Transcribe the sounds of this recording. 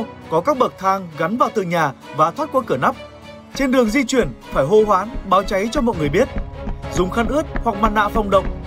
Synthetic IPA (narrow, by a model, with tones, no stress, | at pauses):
kɔ˨˦kaː˦˥k̚ɓə˨˩k̚t̪ʰaː˧ŋɣa˨˦nvaː˨˩wt̪ɨ̰˧˨ɲaː˨˩vaː˨˩t̪ʰwaː˦˥t̚kwaː˧kɨ˧˩əna˦˥p̚ | t͡ɕe˧nɗɨ˨˩əŋzi˧t͡ɕwi˧˩ənfaː˧˩jɦo̰˧ɦwaː˨˦nɓaː˨˦wt͡ɕa˨˦jt͡ɕɔ˧mɔ̰˧˨jŋɨ˨˩əjɓi˦˥ət̚zʊ˨˩ŋ͡mxaː˧˦nʔɨ˦˥ət̚hwa˨˩k̚maː˧nːa̰ː˧˨fa˧wŋ͡mɗə̰˧˨wŋ͡m̚